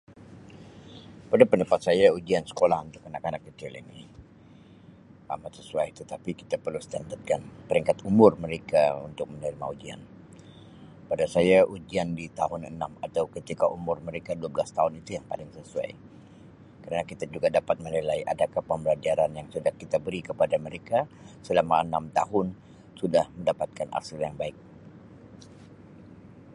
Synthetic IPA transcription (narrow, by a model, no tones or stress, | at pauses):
padapəndəpat̪sajaud͡ʒiansə̥kolahunt̪ʊkːanakanakːət͡ʃɪlḭnɪ̰ | a̰mat̪səsuajt̪ət̪apiki̥t̪apərlust̪ant̪at̪̚kanpəɾiŋkat̪umʊrməɾekaṵnt̪ʊk̚mənəɾima̰ud͡ʒia̰n | padasajaʔud͡ʒiandit̪aɦʊnə̰namat̪awkət̪ikaʔumʊrməɾekaduabəlast̪aʊnit̪ujaŋpa̰lɪŋsəsua̰j | kəɾanakit̪ad͡ʒuɡadapat̪̚mənilaiʔa̰dakahpəmbəlad͡ʒiaɾanjaŋsudahkit̪abəɾikəpadaməɾekasəlamaənamt̪aɦʊn | sudahməndapat̪̚kanʔa̰sərjaŋbaɪk̚